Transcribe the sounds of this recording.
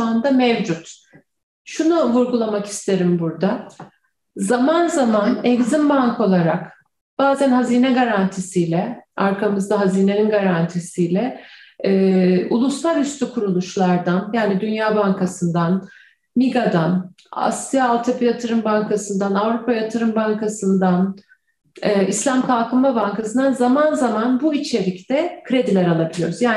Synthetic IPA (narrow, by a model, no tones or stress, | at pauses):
and̪amɛvd͡ʒut̪ | ʃunuvuɾɡulˠamaki̥st̪ʰe̞ɾimbuɾd̪a | zamanzamanɛɡzimbaŋkʰo̞lˠaɾak | b̥aːzænhaziːnɛɡaɾant̪ʰisijlʲɛaɾkʰamɯzd̪aɦaziːne̞ninɡaɾant̪ʰisijlʲɛɛːulˠuslˠaɾyst̪ʰykʰuɾulˠuʃlˠaɾd̪anjaːnid̪ynjaːbaŋkʰasɯnd̪an | miɡad̪an | a̰sijaːlˠt̪ʰapijat̪ʰɯɾɯmbaŋkʰasɯnd̪anavɾupʰajat̪ʰɯɾɯmbaŋkʰasɯnd̪an | ɛːislʲamkʰalˠkʰɯmmabaŋkasɯnd̪anzamanzamanbuit͡ʃʰe̞ɾict̪ɛkʰɾe̞d̪ilʲæɾalˠabilʲijoɾuzjaː